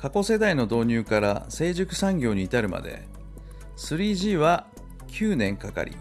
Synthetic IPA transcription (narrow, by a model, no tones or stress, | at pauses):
kako̞se̞d̪aino̞d̪o̞ːɲ̟ɨːkaɾa̰se̞ːʑɨkɯ̟̥sãŋɡʲo̞ːɲ̟iːt̪aɾɯ̟ma̰d̪e̞̰ | sɨɾʲiːʑiːβa | kʲʰɨːnẽ̞ŋkaka̰ɾʲḭ